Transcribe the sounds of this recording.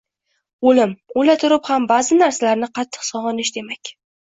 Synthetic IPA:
olɪmolat̪ʰʊɾɪphambazɪnaɾsalaɾnɪqʰɑt̪ʰːɨ̥qsɒʁɒnɪʃd̪e̞makʲ

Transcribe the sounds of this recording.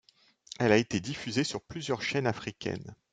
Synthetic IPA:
ɛlaet̪ed̪ifyzesyʁplyzjœʁʃɛnafχikʲʰɛ̰n

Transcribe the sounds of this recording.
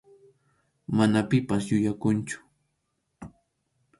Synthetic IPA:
manapɪpasjʊjakʊnt͡ʃʊ̥

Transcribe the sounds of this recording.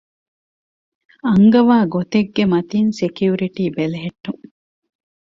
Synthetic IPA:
ɐŋɡɐʋaːɡot̪eɡːemɐt̪insekjuɾiʈiːbeleɦeʈːuŋ

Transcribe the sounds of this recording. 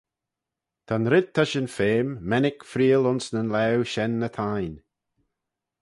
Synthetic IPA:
t̪ʰanɾɪd̪̚t̪ʰːaʃɪnfeːmːɛnɪkfɾiːəlʊnsnənlɛwʃɛnːət̪ʰajn

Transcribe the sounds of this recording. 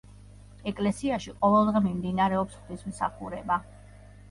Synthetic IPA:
ɛkʼlɛsiaʃiqʼɔvɛlˠd̪ʁɛmimd̪inaɾɛɔpsχd̪ismsa̰χuɾɛba

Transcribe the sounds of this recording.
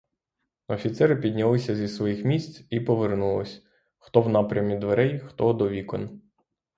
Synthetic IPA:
ɔfʲit̪sɛɾɪpʲid̪ʲnʲɐlˠɪsʲɐzʲisʋɔjixmʲisʲt͡sʲipɔʋernulˠɔsʲ | xt̪ɔwnɑpɾʲɐmʲid̪ʋeɾɛjxt̪ɔd̪ɔʋʲikɔn

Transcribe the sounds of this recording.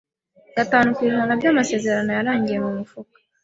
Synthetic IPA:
ɡ̥ataːnukwiːʒanabɟamase̞ːze̞ɾano̞jaɾaːɲɟije̞mumufukḁ

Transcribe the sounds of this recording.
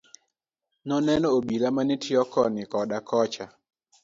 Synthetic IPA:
nɔnɛnɔobilamanitʰɪɔkɔnɪkɔdakʰɔt͡ʃa

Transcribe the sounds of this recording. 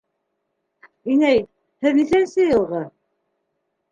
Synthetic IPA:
inæj | hɘðniθænsɘjɤ̆lˠʁɤ

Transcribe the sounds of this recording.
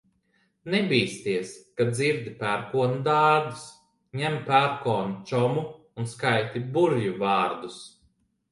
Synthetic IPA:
nɛbʲiːst̪iɛskaziɾd̪ʲipæɾkuɔnud̪aːɾd̪us | ɲɛmpæɾkɔːnut͡ʃɔmuː | nskajt̪ʲibuɾjuvaːɾd̪us

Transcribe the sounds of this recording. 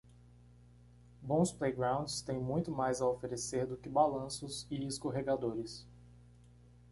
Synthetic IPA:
bõw̃splejɡɾãw̃d͡ʒɪst̪ẽj̃mũj̃t̪ʊmajzɐofeɾeseɾd̪ʊkɪbalɐ̃sʊzɪɪskoɦeɡad̪oɾɪs

